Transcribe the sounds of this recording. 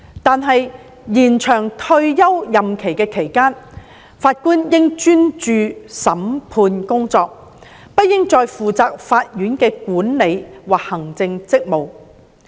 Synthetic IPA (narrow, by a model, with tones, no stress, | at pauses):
t̪aː˨nɦɐ˨j | jiː˨˩nt͡ʃʰœː˨˩ŋt̪ʰɵ˧ɥjɐ˥wjɐ˨mkʰe˨˩jkɛː˧kʰe˨˩jkaː˥n | faː˧t̚kuː˥njɪ˥ŋt͡ʃyː˥nt͡ʃyː˨˧sɐ˨˥mpʰuː˧nkʊ˥ŋt͡sɔː˧k̚ | pɐ˥t̚jɪ˥ŋt͡ʃɔː˧jfuː˨t͡saː˧k̚faː˧t̚jyː˨˥nkɛː˧kuː˨˥nle˨˧jwaː˨k̚hɐ˨˩ŋt͡sɪ˧ŋt͡sɪ˥k̚mo˨w